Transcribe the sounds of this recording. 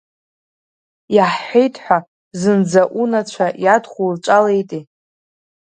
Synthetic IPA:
jaħħejtʰʼħʷᶣa | zɨnd͡zaʔunat͡ɕʷʰajadχʷulʈ͡ʂʷʼalejtʼi

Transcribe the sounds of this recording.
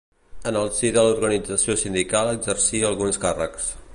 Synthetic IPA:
ənəlˠsiðəluɾɣənid͡zəsiosind̪ikaləɡzərsiəlˠɣunskarəks

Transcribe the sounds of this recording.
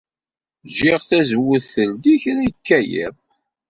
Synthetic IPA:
ʒɪʁθæzəwːəθθəld̪içɾikːæjḭðˤ

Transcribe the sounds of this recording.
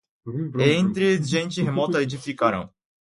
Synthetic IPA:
ẽt̪ɾɪʒẽnt͡ʃɪɦemɔt̪ɐed͡ʒifikaɾɐ̰̃w̃

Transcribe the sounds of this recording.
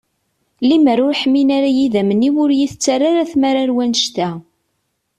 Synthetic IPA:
liməɾʊɾħmːinaɾajiðæməniwʊɾjiθət͡sːarːaɾæθmæɾaɾwænʃt̪æ

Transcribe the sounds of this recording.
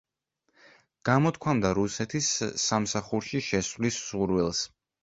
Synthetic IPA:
ɡ̥amɔt̪̚ʰkʰwamd̪aɾusɛt̪ʰisːamsaχuɾʃiʃɛsvlisz̥uɾwɛlˠs

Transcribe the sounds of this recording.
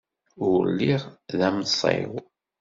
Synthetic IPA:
ʊɾlːiʁðæmsˤḛw

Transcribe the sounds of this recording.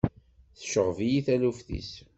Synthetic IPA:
θə̥ʃəʁvijiθælufθḭs

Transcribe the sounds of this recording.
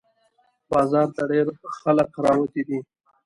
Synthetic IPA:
bɑzɑɾt̪aɖeɾxaləkɾɑwat̪id̪i

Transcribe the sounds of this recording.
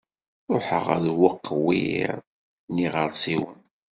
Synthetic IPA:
ɾˤoħə̰ʁə̰ðwəqːwḭɾ | niʁəɾˤsˤiwən

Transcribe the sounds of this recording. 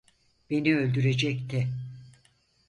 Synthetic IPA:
b̥e̞niølʲd̪yɾe̞d͡ʒɛct̪ʰɛ

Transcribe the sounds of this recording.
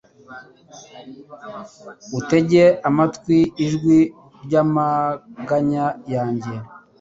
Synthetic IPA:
ute̞ɟe̞ʔamatkwiːʒɡwi | ɾɟamaɡaɲajaːɲɟe̞

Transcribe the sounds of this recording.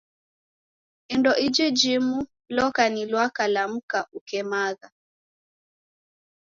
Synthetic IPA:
indɔʔid͡ʒɛd͡ʒimu | lɔkanilwakalam̩kaʔukɛmaɣa

